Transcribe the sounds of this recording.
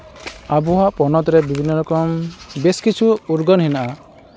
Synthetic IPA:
abuɦapɔnɔt̪ɔɾebibʱinːɔlɔkɔmbeskit͡ʃʰuuɾɡɔnɦinaʔa

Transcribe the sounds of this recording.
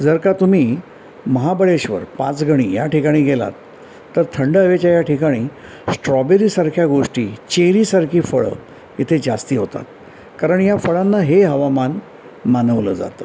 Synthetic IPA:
d͡zəɾkat̪um̤iː | məɦabəɭeɕʋə̰ɾpã̰t͡sɡʱəɽ̃iːja̰ʈikaɽ̃iːɡela̰t̪ː | əɾt̪ʰəɳɖəʋet͡ɕajaʈʰikaɽ̃iː | sʈɾɔbeɾiːsaɾkʰjaɡoʂʈiːt͡ɕeɾiːsaɾkʰiːfəɭə̰ | it̪ʰed͡zast̪iːɦot̪a̰t̪̚ | kaɾəɳjafəɭanːaɦeɦəʋaman | manəʋləd͡za̰t̪əː

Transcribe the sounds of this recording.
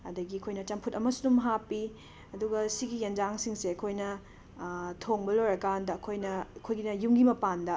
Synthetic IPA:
ɐ̰dɐɡiɐkʰojnɐt͡ʃɐmpʰutɐmɐsudumɦapːi | ɐduɡɐsiɡijɐnd͡ʒaŋsiŋseɐkʰojnɐ | tʰoŋbɐlojɾɐkandɐɐkʰojnɐkʰojɡinɐjumɡimɐpandɐ

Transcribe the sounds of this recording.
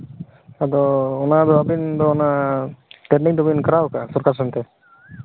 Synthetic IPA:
ad̪ɔɔnad̪ɔabind̪ɔɔna | tɛniŋd̪ɔbinkəɾawkasɔɾkʰasant̪ɛ

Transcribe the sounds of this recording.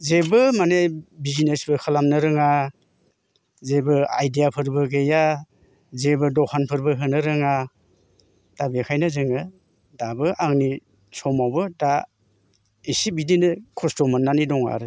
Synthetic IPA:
zebɯmanejbizinesbɯkʰɯlamnɯɾɯŋa | zebɯa̰jdijapʰɯɾbɯɡeja | zebɯdɔkʰanpʰɯɾbɯɦɯnɯɾɯŋa | tabekʰajnazɯŋɯ | dabɯʔaŋni | sɔmawbɯta | isibidinɯkʰɔstɔmanːanidɔŋa̰ɾɯ

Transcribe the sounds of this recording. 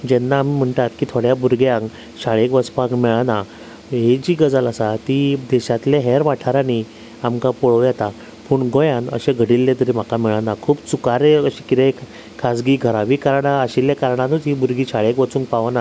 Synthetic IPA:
d͡ʑɛnːaːmim̤əɳʈ̪at̪kiːt̪ʰoɽjabuɾɡjãŋk | ɕaɭekʋəspãŋkmɛɭana | ɦed͡ʑiːɡəd͡zəlasat̪id̪ɛɕat̪leɦɛɾʋaʈʰaɾani | amkapɔɭoʋjɛt̪a | puɳɡojãnə̰ɕeɡʱəɽilːet̪əɾim̤akamɛɭanakʰuːbt͡sukaɾeəɕikit̪ek | kʰasɡiːɡʱəɾaʋiːkaɾɳaəɕiljakaɾɳanut̪ɦibuɾɡiːɕaɭekʋət͡suːŋkpaʋana

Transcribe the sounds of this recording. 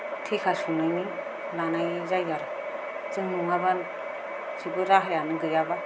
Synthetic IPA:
tʰekʰasunajni | lanajzajɡaɾ | zɯŋnuŋaban | sibɯɾaɦajanɯɡɯjaba

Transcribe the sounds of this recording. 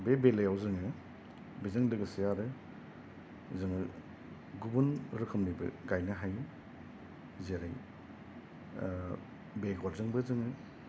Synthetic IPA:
bebelejawzɯŋɯ | bizɯŋlɯɡɯsijaɾɯ | zɯŋɯ | ɡubunɾɯkʰɯmlibɯ̰ɡajnɐɦaj | zeɾaj | beɡɔɾzɯŋbɯzɯŋɯ

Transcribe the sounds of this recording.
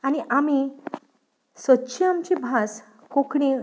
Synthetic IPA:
aniʔami | sətːɕʰiamt͡ɕibʱas | kokɽĩ

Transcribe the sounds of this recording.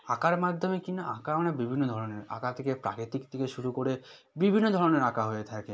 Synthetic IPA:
akaɾmad̪ʱːomekinaʔakanabibʱinːod̪ʱɔɾoneɾa̰kat̪ʰekepɾa̰kit̪ikt̪ʰekeʃuɾukoɾe | bibʱinːod̪ʱɔɾoneɾakaɦoet̪ʰake

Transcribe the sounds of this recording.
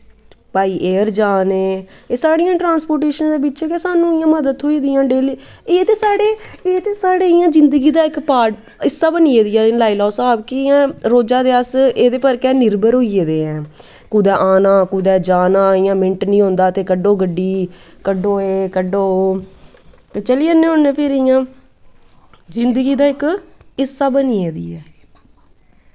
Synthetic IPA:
paːiːʔeːəɾd͡ʒaːneːeːsaːɽɪjãːʈɾãːnspoːɾʈeːʃənːd̪eːbɪtːt͡ʃɛːkɛːsaːnũːɪjãːməd̪əd̪ɦoːiːd̪ɪjãːɖeːl | eːt̪eːsaːɽeːeːt̪eːsaːɽeːɪjãːd͡ʒɪnd̪əɡiːd̪aːɪkpaːʈ | ɪsːaːbənieːd̪ɪjãːlaːilɔːsaːbkiɪjãːɾoːd͡ʒãːd̪eːəseːd̪eːpəɾkɛːnɪɾbəɾɦoːieːd̪eːɛ̃ː | kuːd̪ɛːʔaːnãːkuːd̪ɛːd͡ʒaːnãːɪjãːmɪ̃ɳʈnĩːɦõːnd̪aːt̪eːkəɖoːɡəɖːiː | kəɖoːeːkəɖoː | t̪eːt͡ʃəliːənːẽːɦonẽːpʰɪɾɪjãː | zɪnd̪əɡiːd̪aːɪkɪsːaːbəniːeːd̪ḭːɛː

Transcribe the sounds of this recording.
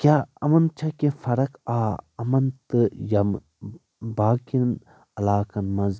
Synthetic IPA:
kʲaːɐmɐnt͡ʃʰɐkẽfɐɾɐkaːɐmɐnt̪ɨjɐm | baːkin | ɐlaːkɐnmɐz

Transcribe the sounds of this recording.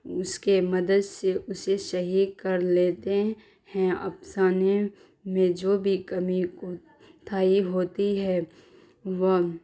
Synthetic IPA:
ʊskemɐd̪əd̪seʔʊseʃɐɦikɐɾleːt̪e | hɛ̃ɐ̰psaːne | mẽd͡ʒoːbʱikɐmiko | t̪ʰaːiɦoːt̪iɦɛː | ʋə

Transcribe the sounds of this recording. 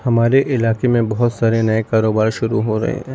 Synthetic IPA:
hɐmaːɾeʔɪlaːkemẽbɐɦʊt̪saːɾenɐekaːɾoːbaːɾʃʊɾuɦoɾɐ̰ɦḛɦɛ̃ː

